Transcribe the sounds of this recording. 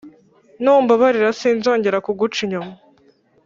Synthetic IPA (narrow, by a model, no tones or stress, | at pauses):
nuːmbaβaɾiɾasiːnzo̞ːɲɟe̞ɾakuɡut͡ʃiɲoma